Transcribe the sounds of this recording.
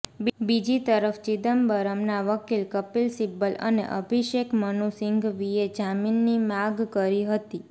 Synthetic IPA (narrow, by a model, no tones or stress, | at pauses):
bbid͡ʒit̪əɾəft͡ʃid̪əmbəɾəmnaʋəkilkəpilsibələ̰nḛʔə̰bʱiʃekmənusɪŋɡʋied͡ʒaminːimaɡkəɾiɦət̪i